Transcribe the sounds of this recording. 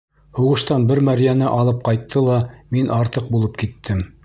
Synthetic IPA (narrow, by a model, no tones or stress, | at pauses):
huʁɤ̆ʃt̪ɑnbɘɾmæɾjænɘʔɑlˠɤp̚qɑjt̪ʰːɤlˠɑminʔɑɾt̪ɤq̚bulˠɤp̚kit̪ʰːɘm